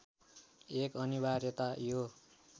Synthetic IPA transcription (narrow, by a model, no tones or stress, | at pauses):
ekʌnibarjʌt̪ajo